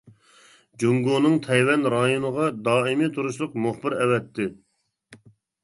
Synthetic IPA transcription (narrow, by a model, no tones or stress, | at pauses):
d͡ʒuŋɡonɨŋt̪ʰɛjwɛnɾɑjonəʁɑd̪ɑːimit̪ʰuɾuʃlˠʊqmʊχbɪɾɛwɛt̪ʰːɪ